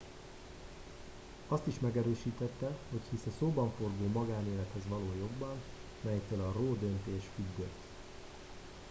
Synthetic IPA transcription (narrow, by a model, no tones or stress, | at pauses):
ɒst̪iʃmɛɡɛɾøːʃiːt̪ɛt̪ːɛho̞chisɛsoːbɒɱfo̞rɡoːmɒɡaːneːlɛt̪hɛzʋɒloːjo̞ɡbɒn | mɛjɛkt̪ːøːlɒroːd̪ø̞nt̪eːʃfyɡd̪øt̪ː